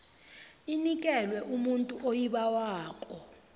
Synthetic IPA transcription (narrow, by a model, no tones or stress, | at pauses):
inikʼɛlwɛʔumuntʼuʔojiɓawaːkʼɔ